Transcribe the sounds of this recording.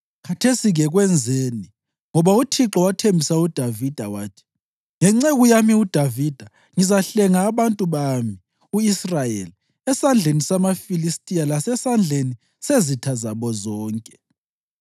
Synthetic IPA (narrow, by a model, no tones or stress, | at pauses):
kʰatʰesiɣɛɣwɛnd͡zʱeni | ŋɔβautʰiǁɔwatʰembʱisaud̥ʱavid̥ʱawaːtʰi̥ | ŋɛŋ͡ǀɛɣujamiud̥ʱavid̥ʱa | ŋizaɬɛŋaːβantʼuβami | uisrajḛli | ɛsand͡ɮʱenisamafilistʼijalasɛsand͡ɮʱeni | sezitʰazaβɔzɔːŋkʼɛ̥